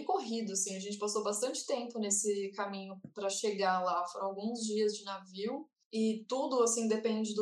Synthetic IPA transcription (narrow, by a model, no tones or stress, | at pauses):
koɦid̪ʊasĩɐʒẽnt͡ʃɪ̥pasobast̪ɐ̃nt͡ʃɪ̥t̪ẽmpʊnesɪkamĩɲʊpɾɐʃeɡalafoɾɐ̃w̃awɡũzd͡ʒiɐzd͡ʒɪnaviw | ɪt̪ud̪ʊasĩd̪epẽnd͡ʒɪd̪